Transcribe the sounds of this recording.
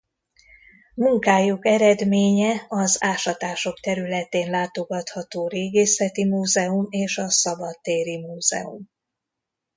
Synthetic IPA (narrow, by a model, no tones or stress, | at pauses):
muŋkaːjukɛɾɛd̪meːɲɛɒzaːʃɒt̪aːʃo̞kt̪ɛɾylɛt̪eːnlaːt̪o̞ɡɒt̪hɒt̪oːɾeːɡeːsɛt̪imuːzɛumeːʃɒsɒbɒt̪ːeːɾimuːz̥ɛ̰ṵm